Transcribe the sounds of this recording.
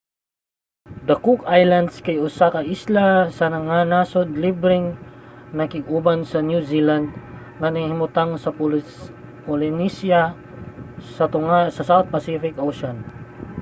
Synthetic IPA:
d̪akʊkajland̪skajʊsakaʔislasɐnɐŋanasod̪libɾɪŋnɐkɪɡubansɐnjuziland̪̚ | ŋanaŋhɪmʊt̪aŋsɐp | polɪnisja | sɐt̪ʊŋasɐsawt̪̚pɐsifɪkʔowʃon

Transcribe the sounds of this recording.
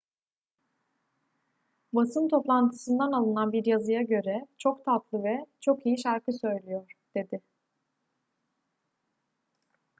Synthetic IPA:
basɯnt̪ʰo̞plˠant̪ʰɯ̥sɯnd̪analˠɯnanbiɾjazɯjaɟø̞ɾɛt͡ʃʰo̞kt̪ʰat̪lˠɯvɛt͡ʃʰo̞kijiʃaɾkɯsø̞jlʲyjoɾ̥d̪̥e̞d̪ɪ

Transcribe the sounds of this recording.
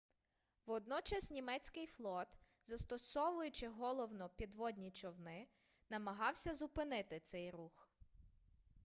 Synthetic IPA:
wɔd̪nɔt͡ʃɐsʲnʲimɛt͡sʲkɪjflˠɔt̪ | zɐst̪ɔsɔʋʊjʊt͡ʃɪɦɔlˠɔwnɔpʲid̪ʋɔd̪ʲnʲit͡ʃɔwnɪ | nɐmɐɦɑwsʲɐzʊpɪnɪt̪ɪt̪sɛjrux

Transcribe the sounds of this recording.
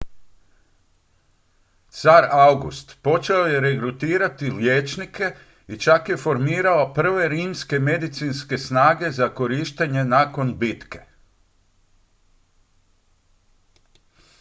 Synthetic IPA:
t̪saɾawɡṵst̪po̞t͡ʃeoje̞ɾe̞ɡɾut̪iːɾat̪iljeːt͡ʃnikʰe̞ | it͡ʃakje̞fo̞ɾmiːɾalopr̩ʋe̞ɾiːmske̞me̞d̪it̪sinske̞snaːɡe̞zako̞ɾiːʃt̪eɲe̞nako̞nbit̪ke̞̥

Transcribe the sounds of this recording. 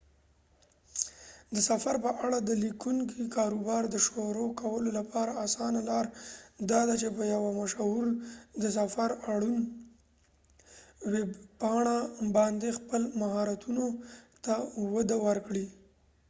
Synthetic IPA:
d̪əsafaɾpəʔaɽad̪əlikuŋkikɑɾubɑɾd̪əʃoɾokawəlolapʰɑɾaasɑnalɑɾd̪ɑd̪at͡ʃepəjawamaʃuɾd̪əsafaɾaɽun | webpɑɳabɑnd̪expəlmaɦɑɾat̪unot̪awad̪awəɾkɽi

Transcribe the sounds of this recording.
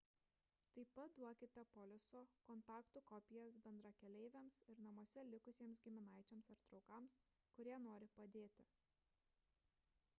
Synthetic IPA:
t̪ɐɪpɐt̪̚d̪uɔkʲɪt̪ʲɛpɔlʲɪsoːkɔnt̪ɑːkt̪uːkɔpʲɪjɛsbʲɛnd̪ɾɐkʲɛlʲɛɪʋʲɛmsɪɾnɐmuɔsʲɛlʲɪkʊsʲiɛmsɡʲɪmʲɪnɑˑɪt͡ʃʲomsɪɾt̪ɾɒʊkɐms | kʊɾʲiɛnoːɾʲɪpɐd̪ʲeːt̪ʲɪ

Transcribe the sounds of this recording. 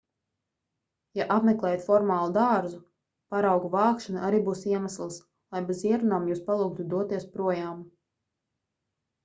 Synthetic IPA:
jaʔapmeklˠɛːjat̪fɔɾmaːlˠud̪aːɾzu | paɾawɡuvɑːkʃanuʔaɾiːbuːsiɛmaslˠs | lˠajbeziɛɾunaːmjuːspalˠuk̚t̪ud̪uɔt̪iɛspɾuɔjaːm

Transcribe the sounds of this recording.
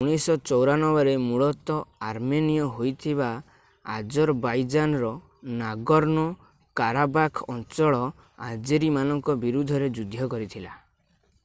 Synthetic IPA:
uɽ̃isɔt͡ʃɔwɾanɔbɔɾemuɭɔt̪ɔaɾmenijɔɦojt̪ʰiβa | a̰d͡ʒɔɾbajd͡ʒanɔɾɔ | naɡɔɾnɔ | kaɾabakʰɔnt͡ʃɔɭɔ | ad͡ʒeɾimanɔŋkɔbiɾud̪ʱɔɾed͡ʒud̪ʱjɔkɔɾit̪ʰila

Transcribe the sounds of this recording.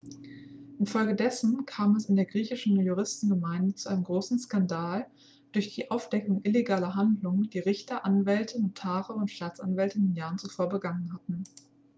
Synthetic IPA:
ʔɪnfɔlɡədɛsn̩kʰaːmɛsɪndeːɐɡʁiːçɪʃn̩juʁɪstn̩ɡəmaɪndət͡suʔaɪnəmɡʁoːsn̩skandaːl | d̥ʊɐçd̥iːʔaʊfd̥ɛkʊŋʔɪleɡaːlɐɦandlʊŋəd̥iːʁɪçtɐʔanvɛltʰənotʰaːʁəʊntʃtaːt͡sa̰nvɛltəndɪnjaːʁənt͡sufoːɐbəɡaŋənhatn̩

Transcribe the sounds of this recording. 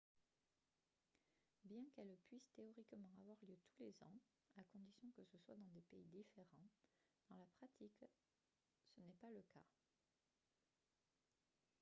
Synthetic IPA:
bjɛ̃kɛlpɥist̪eɔʁikmɑ̃avwaʁljøt̪ʰu̥lezɑ̰̃ | akɔ̃d̪isjɔ̃kəsəswad̪ɑ̃d̪epeid̪ifeʁɑ̃ | d̪̥ɑ̃lapχat̪ʰik | sənɛpaləka̰

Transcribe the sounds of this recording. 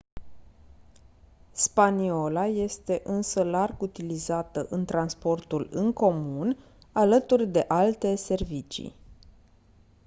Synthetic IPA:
spanio̞laje̞st̪e̞ʔɨnsəlarɡut̪ilizat̪əʔɨnt̪ɾanspo̞rt̪ulɨŋko̞mun | alət̪urʲd̪e̞ʔalt̪e̞se̞rvit͡ʃḭ

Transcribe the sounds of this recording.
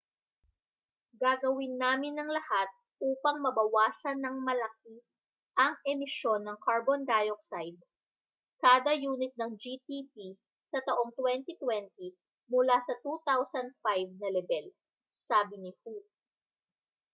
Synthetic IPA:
ɡaɡɐwɪnːaːmɪnːɐŋlɐhat̪̚ | ʔuːpɐŋmɐbɐwaːsɐnːɐŋmɐlɐki | ʔɐŋʔɛmɪʃo̞nːɐŋkɐɹbond̪aːjok̚sajd̪̚ | kaːd̪ɐjuːnɪt̪̚nɐŋd͡ʒit̪ip̪i | sɐt̪ɐʔo̞ŋt̪wɛnt̪it̪wɛnt̪i | mʊlasɐt̪ut̪awsɐnd̪̚fajv̚nɐlɛbɛl | saːbɪnɪhu

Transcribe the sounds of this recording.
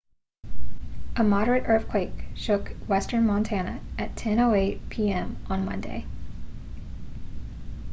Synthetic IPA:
ʔəmɑɾə˞ɨɾʔɜ˞θkʰw̥eɪkʃʊkwɛstə̃˞nmɑ̃ntʰænɨ̰ʔɨtʰɛ̃noʊeɪt̚pʰiɛ̃mʔə̃nmʌ̰̃ndḛɪ

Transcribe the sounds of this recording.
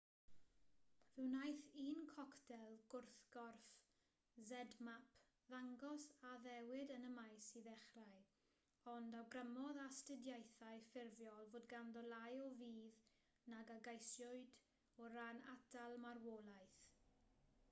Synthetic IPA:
vɪwnajθiːnkʰɔktʰɛlˠɡʊrθɡ̥ɔrf | zɛdmapʰ | ðaŋɡɔsaðɛwɪdənəmajsiðɛχraɨ | ɔndawɡrəmɔðastədjajθaɨfɪrvjɔlˠvoːdɡanðɔlˠajɔviːð | naɡaɡajsjʊɨd | ɔɾaːna̰dalˠmarwoːlˠajθ

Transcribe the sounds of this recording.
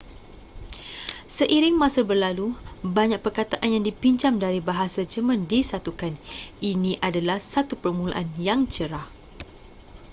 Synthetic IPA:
səʔiɾɪŋmasəbərlalubaɲak̚pərkat̪aʔanjaŋdipiɲt͡ʃamdaɾibaɦasad͡ʒəmə̃ndisat̪ukaninĩʔadalahsat̪upərmula̰ʔanjaŋt͡ʃəɾah

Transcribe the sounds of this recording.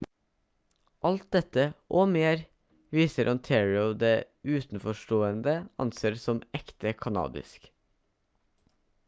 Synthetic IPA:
ʔɑlt̪̚d̪ɛt̪əʔoːmeːɾ | ʋiːsəɾʔɑnt̪ʰɛɹɪəʊd̪eː | ʉːt̪n̩fɔʃʈoːənd̪əɑ̰nseːɾsɔmɛkt̪əkʰɑnɑ̰ːd̪ɪ̰sk

